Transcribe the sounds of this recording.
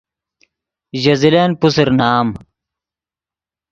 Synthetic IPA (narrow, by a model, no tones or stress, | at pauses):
ʑɐzileːnpusiɾnaːm